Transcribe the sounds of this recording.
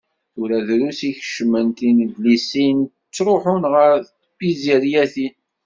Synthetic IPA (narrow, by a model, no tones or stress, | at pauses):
ʊɾæðɾusiçəʃmənt̪indlisin | t͡sːɾˤoħʊnʁəɾθ | biziɾjæθin